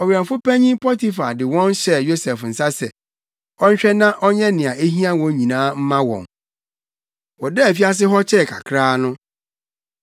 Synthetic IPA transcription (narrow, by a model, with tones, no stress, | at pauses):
ɔ˨ɥi˨ɾã˨mfʊ˦pæ˦ɲĩ˦pʰɔ˦ti˨fa˨dɪ˨wɔ̃˦nɕɛ˨jo˦sɛ˨fn̩˨sa˦sɛ̰˨ | ɔ˦ɲ̩˦t͡ɕᶣɛ˦nã˦ʔɔ˦ɲɛ̃˦nɪ̃˨a˨ʔe˦ɦĩ˦ã˦wɔ̃˨˦ɲĩ˨nãː˦m̩˦mã˦wɔ̰̃˨n | wɔ˨dɛ˦æ˨fi˦a˦s̬ɪ˦ɦɔ˦t͡ɕʰɛ˦˨kʰa̰˨kʰɾaː˦nʊ̃˦